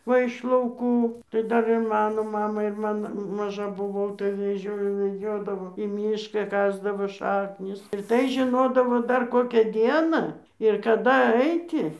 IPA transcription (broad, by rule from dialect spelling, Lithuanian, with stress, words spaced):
ˈʋɐ ɪʃ lˠɐʊˈkuː tɐɪ ˈdɐr ɪr ˈmɑːnoː ˈmɑːmɐɪ ɪr ˈmɐn mɐˈʒɐ bʊˈʋɐʊ tɐɪ ʋʲɛˈʒʲoːjoː ʋʲɛˈd͡ʒʲoːdɐʋoː iː ˈmʲiːʃkɑː ˈkɑːzdɐʋoː ˈʃɑːknʲɪs ɪr ˈtɐɪ ʒʲɪˈnoːdɐʋoː ˈdɐr ˈkoːkʲæː ˈdʲiɛnɑː ɪr kɐˈdɐ ˈɐɪtʲɪ